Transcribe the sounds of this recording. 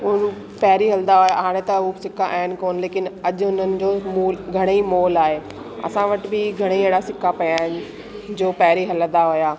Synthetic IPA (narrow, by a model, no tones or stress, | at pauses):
ʊn | pɛɦɾiɦɐld̪aɦʊjaɦaːɽ̃et̪ɐɦusɪkʰaʔaːɦɪnɪ̆koːnleːkɪnɐʄʊɦʊn̤ənɪ̆d͡ʑoːmuːlɡʱɐɽ̃eimoːlaːɦeː | ɐ̰sãʋɐʈbɪɡʱɐɽ̃ieːɽasɪkʰapɐjaːɦɪnɪ̆ | d͡ʑoːpɛːɾiɦɐlə̃nd̪aɦʊjaː